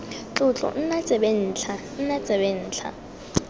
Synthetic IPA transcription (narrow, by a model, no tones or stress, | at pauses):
t͡ɬʼʊt͡ɬʼɔ̰n̩nat͡sʼɛɓen̩ːt͡ɬʰa | n̩nat͡sʼɛɓen̩ːt͡ɬʰa̰